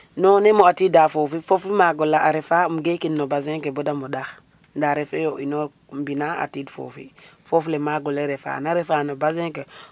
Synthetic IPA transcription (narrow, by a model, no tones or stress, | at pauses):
noːnemoatidafofifofimaɡolaʔaɾefamɡekinːobazeŋkebodamodax | ndaɾefejoʔino | mbinaa̰tiːdfo̰fḭfoflemaɡoleɾefa̰naɾefanobazeŋke